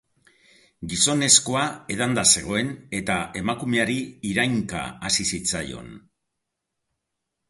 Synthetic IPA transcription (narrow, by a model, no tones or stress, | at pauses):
ɡiso̞ne̞sko̞ae̞ð̞and̪ase̞ɣ̞o̞e̞ne̞t̪ae̞makume̞aɾiiɾajŋka̰asisit͡sajo̞̰n